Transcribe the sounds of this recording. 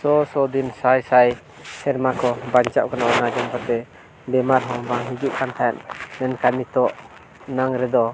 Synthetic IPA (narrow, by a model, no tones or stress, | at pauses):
sɔsɔd̪insajsaj | sʰɛɾmakʰɔbant͡ʃawkanaʔɔnad͡ʒɔmkat̪ɛ | bɛmaɾɦɔbaŋɦid͡ʒuʔ̚pʰant̪ʰaja̰nmɛnkanit̪ɔʔ | naŋɾɛd̪ɔ